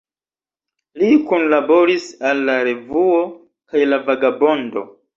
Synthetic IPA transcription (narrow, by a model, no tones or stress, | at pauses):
likunlabo̞ɾisalːaɾe̞vuo̞ | kajlavaɡabo̞ndo̞̰